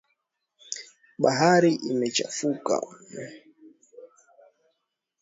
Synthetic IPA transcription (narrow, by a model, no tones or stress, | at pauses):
ɓaɦaɾiʔimɛt͡ʃa̰fuka̰